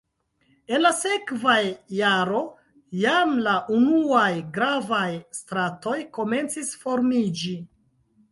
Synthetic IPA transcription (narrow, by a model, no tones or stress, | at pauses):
e̞nlase̞kvajːaɾo̞ | jamlaʔunuajɡɾavajstɾato̞jko̞me̞nt͡sisfo̞ɾmid͡ʒi